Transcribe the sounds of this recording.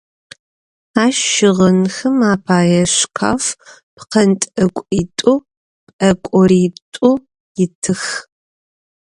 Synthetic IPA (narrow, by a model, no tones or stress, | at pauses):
aːʃʃɪʁɐnxɨmaːpʰaːjɛɕkʰa̰ːf | pʰqɐntʼɐkʷʼiːtʼu | pɐkʷʼɔɾiːtʼu | jɪtʰɨx